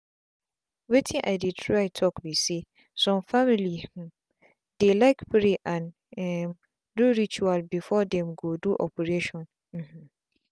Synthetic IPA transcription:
wetʰĩʔa̰ɪdɪtʰɹaɪtʰɔkbise | sɔ̃mfamilĩ | d̥elaɪkpʰɾeʔãn | ɛm | duɾit͡ʃualbifɔdɛ̃mɡoduʔɔpʰeɾeʃɔ̃n | m̩m̩̃

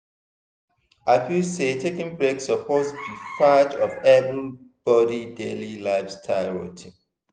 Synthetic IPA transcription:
apjusetʰekɪ̃ŋbɹeksəpʰozdit͡ʃat͡ʃɔvɛvɹib̥ɔɾidelilaɪv̥stʰaɪɹɔ̰tʰi

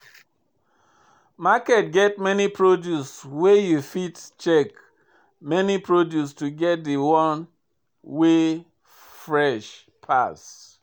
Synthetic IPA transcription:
makɛt̚ɡɛt̚mɛnipʰɹodjuswejufitt͡ʃɛk | mɛnipɹodjustuɡɛt̚diwɔ̃n | we | fɹɛʃ | pʰas

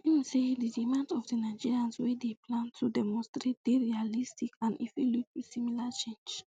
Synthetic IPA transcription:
imĩsedidimãndɔfdinaɪd͡ʒiɹiãnswɛdeplãntʰːudɛmɔ̃nstɾet̚d̥eɹialistikãnɛ̰vɛlutwisimilat͡ʃẽnd͡ʒ

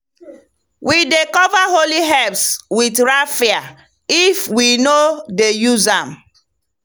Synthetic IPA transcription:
wʔidekɔvaɦoliɦɛpswidɾafia | ifwinodejuzãm

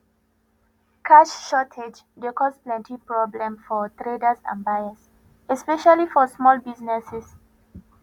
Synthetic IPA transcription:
kʰaʃʃɔtʰed͡ʒ | dekɔsplɛ̃ntʰipɹɔblɛ̃mfɔtɹedasã̰nbajas | ɛspɛʃalifɔsmɔlbiznɛsɛs

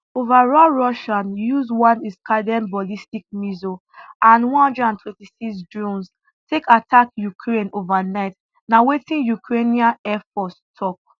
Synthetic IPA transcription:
ovaɹɔɹɔʃãnjuzwɔ̃niskʰadɛ̃nbɔlistik̚mizo | ʔãnwɔ̃nhɔ̃ndɹɛdãntʰwɛ̃ntisiksdɹũns | tʰekatʰakjukʰɹẽnovanaɪt | nawetĩnjukʰɹeniãnɛfɔstʰɔk̚

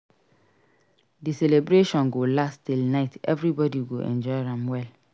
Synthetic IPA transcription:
disɛlebɾeʃɔ̃nɡolasttilnaɪtɛvɾibɔdiɡoʔɛ̰̃nd͡ʒɔɪɾãmwɛl

